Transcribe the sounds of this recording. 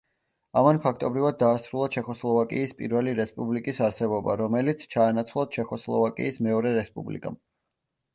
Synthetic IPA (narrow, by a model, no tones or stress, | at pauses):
amanpʰakʰt̪ʼɔbɾivad̪̚ːaːsɾulˠat͡ʃʰɛχɔslˠɔvakʼḭːspʼḭɾvɛliɾɛspʼublikʼisaɾsɛbɔba̰ɾɔmɛlit̪sʰt͡ʃʰaːnat̪sʰlˠat̪̚t͡ʃʰɛχɔslˠɔ̰vakʼḭːsmɛɔɾɛɾɛspʼublḭkʼa̰m